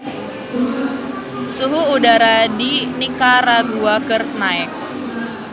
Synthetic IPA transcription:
suɦuːdaɾadinikaraɡuakərsnaɛk̚

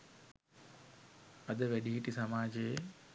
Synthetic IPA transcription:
ɐd̪əʋɛɖiɦiʈisɐmaːd͡ʒeː

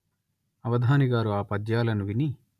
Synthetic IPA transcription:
ɐʋɐd̪ʱaːniɡaːɾuaːpɐd̪jaːlɐnuʋini

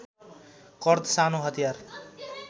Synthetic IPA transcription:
kʌrd̪sanoɦʌt̪ijar

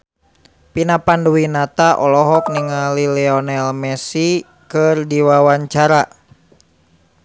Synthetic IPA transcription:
pinapanduwinat̪aʔɔlɔɦɔk̚niŋalilɛɔnɛlmɛsi | kɨrdiwawaɲt͡ʃaɾa

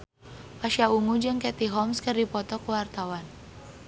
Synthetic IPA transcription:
paʃiaumud͡ʒɨŋkɛt̪iɦɔmskərdipɔt̪ɔkuwart̪awan

